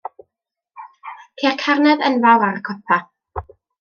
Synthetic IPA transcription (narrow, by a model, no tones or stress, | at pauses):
pʰerkʰarnɛðənvalˠaɾəkʰɔpʰa